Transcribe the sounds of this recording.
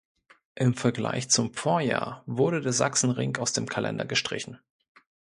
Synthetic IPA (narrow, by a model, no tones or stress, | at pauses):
ʔɪmfɛɐɡla̰ɪçt͡sʊmfoːɐja̰ːɐvʊɐɾədeːɐza̰ksn̩ʁɪŋkaʊsd̥eːmkʰalʔɛ̰ndɐ̰ɡəʃtʁ̥ɪ̰çn̩